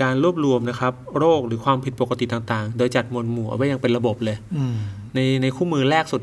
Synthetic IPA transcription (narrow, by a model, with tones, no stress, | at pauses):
aː˧nɾu˥˩əp̚ɾu˧əmna˦˥kʰa˦˥p̚ɾoː˥˩k̚ɾɯː˩˦kʰwaː˧mpʰi˨˩t̪̚po˨˩ka˧t̪i˨˩t̪aː˨˩ŋt̪aː˨˩ŋdoː˧jt͡ɕa˨˩t̪̚mu˧ənmuː˨˩ʔwa˦˥ja˧ŋpe˧nla˧bo˨˩p̚lɤː˧j | na˧jna˧jkʰuː˥˩mɯː˧ɾɛː˥˩k̚su˨˩t̪̚